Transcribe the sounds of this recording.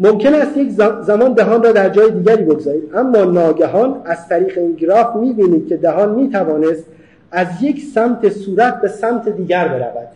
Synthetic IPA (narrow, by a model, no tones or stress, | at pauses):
momcʰe̞næst̪jeczæmɒːnd̪æɦɒːnrɒːd̪æɾd͡ʒɒːjed̪iːɟæɾiːbeɡzɒːɾiːd̪æmːɒːnɒːɟæɦɒːnæzt̪ʰæɾiːɣeiŋɡɾɒːfmiːbiːniːd̪̚kʲʰe̞d̪æɦɒːnmiːt̪ʰævɒːne̞st̪ | æzje̞cʰsæmt̪ʰe̞suːɾæt̪̚be̞sæmt̪ʰed̪iːɟæɾbe̞ɾæ̰væ̰d̪̥